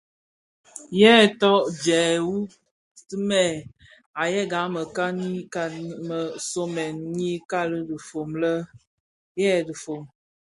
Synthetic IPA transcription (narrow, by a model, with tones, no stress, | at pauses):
jɛ˦˨tɔ˦ʔd͡ʒɛː˨wu˦ | ti˦mɛ˨ | a˨jɛ˦ɡa˨˦mə˨ka˦ni˦a˦mə˨so˦mɛ˨nɲi˦ka˦lə˦də˨fo˨mlə˦ | jɛ˦˨də˨fo˨m